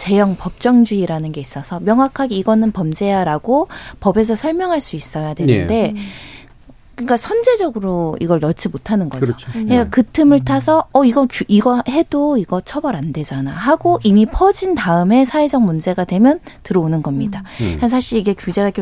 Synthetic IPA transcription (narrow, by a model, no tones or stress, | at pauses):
t͡ɕe̞jʌŋpʌp̚t͡ɕ͈ʌŋd͡ʑuiɾanɯnɡe̞is͈ʌsʰʌmjʌŋwakʰaɡeiɡʌnɯnpʌmd͡ʑe̞jaɾaɡopʌbe̞s̬ʰʌsʰʌɭmjʌŋɦaɭs͈uis͈ʌjadweɯnde̞ | kɯik͈asʰʌnd͡ʑe̞d͡ʑʌɡɯɾoiɡʌɭnʌt͡ɕʰimotʰanɯnɡʌd͡ʑoekɯtʰɯmɯɭtʰasʰʌːiɡʌkuiɡʌhe̞doiɡʌt͡ɕʰʌbʌɾande̞d͡ʑanahaɡoʔimipʰʌd͡ʑintaɯme̞sʰaed͡ʑʌŋ̚mund͡ʑe̞ɡadwe̞mjʌntɯɾʌonɯnɡʌmɲidakasʰaɕʰiɾiɡe̞kjud͡ʑe̞ɡak͈e